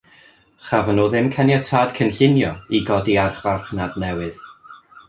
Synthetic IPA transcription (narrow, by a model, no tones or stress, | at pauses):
χavənoːðɪmkʰɛnjatʰaːd̥kʰənɬɪnjɔiɡɔdiarχvarχnadnɛwɨð̥